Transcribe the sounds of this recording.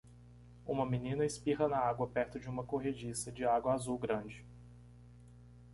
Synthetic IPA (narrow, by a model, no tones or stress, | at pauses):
ũmɐmĩnĩnɐɪspiɦɐnɐaɡwɐpɛɾt̪ʊd͡ʒɪũmɐkoɦed͡ʒisɐd͡ʒɪaɡwɐazuwɡɾɐ̃d͡ʒɪ